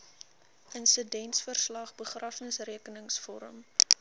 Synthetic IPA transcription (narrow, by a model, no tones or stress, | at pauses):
ʔənsədɛntsfərslɐχbəχrɐfəŋsriəkənəŋsfɔ̰ɾə̰m